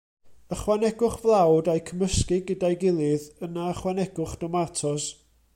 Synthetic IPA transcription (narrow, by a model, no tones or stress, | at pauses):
əχwanɛɡʊχvlˠawdajkʰəməskɪɡədajɡɪlˠɪðənaəχwanɛɡ̥ʊχd̥ɔmatʰɔs